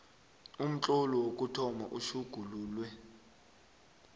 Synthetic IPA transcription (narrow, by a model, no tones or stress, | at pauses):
um̩t͡ɬʼɔlɔwokʼutʰɔma̰ʔuʃuɡ̥ʱuluːlwɛ